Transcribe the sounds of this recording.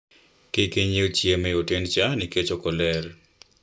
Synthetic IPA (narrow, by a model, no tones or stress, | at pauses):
kɪkeɲiot͡ʃjemɛotent͡ʃaniket͡ʃokɔlɛr